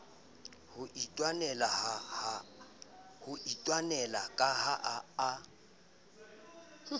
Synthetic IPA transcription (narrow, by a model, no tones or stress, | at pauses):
hʊʔitʼwanɛlahaha | hʊitʼwanɛlakʼaɦaʔaː